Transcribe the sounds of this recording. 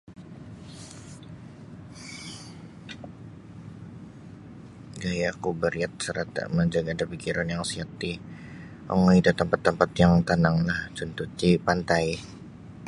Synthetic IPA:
ɡajakubəɾiat̪̚səɾat̪a̰məɲd͡ʒaɡadapikiɾanjaŋsiat̪i | ʔɔ̰ŋoit̪ut̪əmpat̪ːəmpat̪jaŋt̪anaŋlaht͡ʃunt̪ut͡ʃipant̪aj

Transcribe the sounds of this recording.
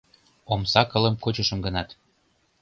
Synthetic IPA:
omsɑkɤ̆lə̆mkot͡ɕə̆ʃə̆mɡə̆nɑt̪

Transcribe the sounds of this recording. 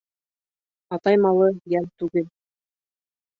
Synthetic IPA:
ɑt̪ɑjmɑlˠɤjælt̪ʉɡɘl

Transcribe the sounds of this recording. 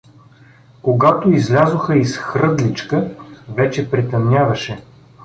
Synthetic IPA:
koɡat̪oizlʲazoxəisxɾɤd̪lit͡ʃkəvɛt͡ʃɛpɾɛt̪ɐmnʲavɐʃɛ

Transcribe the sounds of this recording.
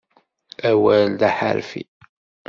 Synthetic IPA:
æwæld̪æħa̰ɾfḭ

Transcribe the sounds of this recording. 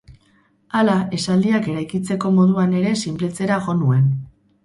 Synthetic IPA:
alaʔe̞sald̪iake̞ɾajkit͡se̞ko̞mo̞ðuane̞ɾe̞simple̞t͡se̞ɾaɣo̞nue̞n

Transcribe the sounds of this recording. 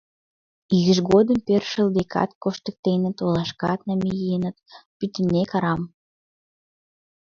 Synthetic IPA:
iɣəʒɣod̪əmperʃəld̪ekʰɑ̰t̪koʃt̪ə̆k̚t̪enə̆t̪olɑʃkɑt̪̚næmejiənə̆t̪̚pyt̪ənːekɑɾɑm

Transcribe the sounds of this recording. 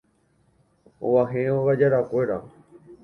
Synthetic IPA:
o̰ʋaɦẽoɣad͡ʒaɾakʷeɾa

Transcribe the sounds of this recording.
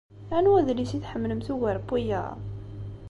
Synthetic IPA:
ænuwæðlisiθħəmːləmθuwæɾbijæ̰

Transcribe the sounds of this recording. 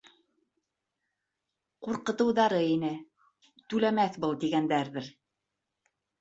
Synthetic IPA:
quɾqɤ̆t̪ɤ̆wðɑɾɤinɘ | t̪ʉlæmæθbɤlˠt̪iɡænd̪æɾðɘɾ

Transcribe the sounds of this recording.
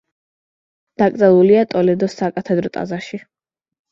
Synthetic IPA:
d̪̥akʼd̪zɛlˠuliat̪ʼɔlɛd̪ɔsakʼat̪ʰɛd̪ɾɔt̪ʼa̰zaʃi

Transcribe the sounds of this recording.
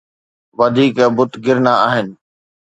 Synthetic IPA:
ʋɐd̪ʱiːkɛbʊt̪ɡɪɾnaaːɦɪnɪ̆

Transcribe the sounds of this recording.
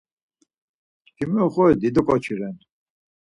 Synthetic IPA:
kʰimɛχɔɛd̪id̪ɔkʼɔt͡ʃʰiɾɛn

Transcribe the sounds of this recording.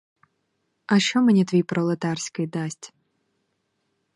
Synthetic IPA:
ɐʃt͡ʃɔmʲɛnʲɛt̪vʲijpɾʔɔlˠɐt̪arsʲkɨjd̪asʲtʲ

